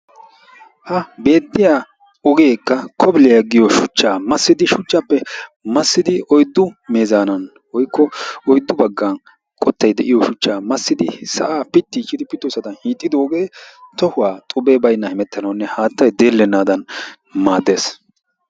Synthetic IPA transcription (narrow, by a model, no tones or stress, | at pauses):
hɐbe̞ːd̪ːɪja | ɔɡeːkːɐkʰɔbɪlɪjɐɡɪjɔʃʊt͡ʃːaːmɐsːɪd̪ɪʃʊt͡ʃːɐpːɛmɐsːɪd̪ɪɔjd̪ːʊme̞ːzaːnɐn | wɔjkːɔɔjd̪ːʊbɐɡːan | kʼɔt̪ːɐjd̪ɛʔɪjɔʃʊt͡ʃːaːmɐsːɪd̪ɪsɐ̰ʔaːpɪt̪ːit͡ʃʼːɪd̪ɪpɪt̪ːʊsɐd̪ɐnhiːt̪ʼːɪd̪oːɡe̞ːt̪ɔhʊwaːt̪ʼʊbeːbɐjnːɐhɪmɛt̪ːɐnɐwnːɛhaːt̪ːɐjd̪e̞ːlːɛnːaːd̪ɐn | maːd̪eːs